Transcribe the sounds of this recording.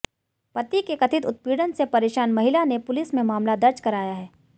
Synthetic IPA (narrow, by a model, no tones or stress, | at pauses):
pɐt̪ikekɐt̪ʰɪt̪ʊt̪̚piːɽənsepɐɾeːʃaːnmɐɦɪlanepʊlɪsmẽmaːmlad̪ɐɾt͡ʃkɐɾaːjaɦɛː